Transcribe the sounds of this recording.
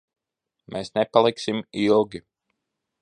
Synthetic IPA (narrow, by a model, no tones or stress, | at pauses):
mʔeːsnepalˠiksimilˠɡʲi